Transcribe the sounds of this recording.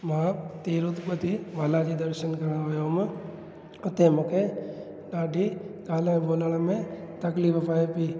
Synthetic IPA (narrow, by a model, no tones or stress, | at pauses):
mãːt̪eːɾut̪pət̪iʋaːlad͡ʒid̪əɾʃənkɐɽ̃aojoːm | ʊt̪ẽmʊkʰe | ɖaːɖʱikaːl̃boːləɽ̃amẽt̪ɐklippaːepiː